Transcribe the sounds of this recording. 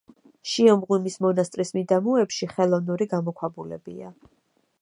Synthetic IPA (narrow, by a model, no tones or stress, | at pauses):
ʃiɔmʁwimismɔnast̪ʼɾismid̪amuɛpʃiχɛlˠɔvnuɾiɡamɔkʷʰwabulɛ̰bḭa̰